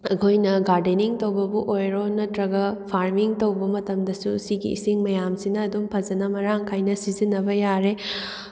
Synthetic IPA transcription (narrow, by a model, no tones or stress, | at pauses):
ɐkʰojnɐɡaɾdeniŋtowbɐbuʔojɾonɐtɾɐɡɐpʰaɾmiŋtɐwbɐmɐtɐmdɐsusiɡḭːsiŋmɐjamsinɐːdumpʰɐzɐnɐmɐɾaŋkʰajnɐsizinːɐbɐjaɾe